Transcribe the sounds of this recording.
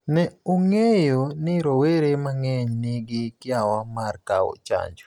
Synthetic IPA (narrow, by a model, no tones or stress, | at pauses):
nɛoŋejonɪɾoweɾemaŋɛɲnɪɡɪkɪawamarkawo̰t͡ʃa̰ɲd͡ʒo̥